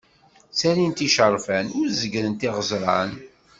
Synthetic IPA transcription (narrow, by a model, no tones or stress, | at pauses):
sæɾint̪iʃəɾˤfænʊɾzəɡɾənt̪iʁəzɾˤɑn